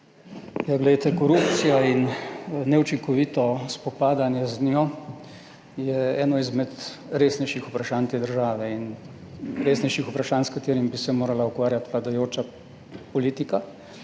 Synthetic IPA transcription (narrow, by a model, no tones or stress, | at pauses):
jaɡlɛjt̪ɛkɔɾupt̪sijainnɛut͡ʃiŋkɔʋiːt̪ɔspɔpaːd̪anjɛznjɔ | jɛɛːnɔizmɛt̪ | ɾeːsnɛjʃixupɾaʃaːnt̪eːd̪əɾʒaːʋɛin | ɾeːsnɛjʃixupɾaʃaːnskat̪eːɾimbisɛmoːɾalaukʋaːɾjat̪ʋlad̪ajoːt͡ʃa | pɔliːt̪ika